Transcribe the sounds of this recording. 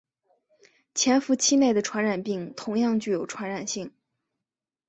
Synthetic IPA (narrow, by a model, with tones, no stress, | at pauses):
t͡ɕʰjɛ˧˥nfu˧˥t͡ɕʰi˥ne˥˩ɪd̪ə˩ʈ͡ʂʰwa˧˥nɻa˨˩npi˥˩ŋt̪ʰʊ˧˥ŋjɑ˥˧ŋt͡ɕy˥˩jo˨˩ʊʈ͡ʂʰwa˧˥nɻa˨˩nɕi˥˩ŋ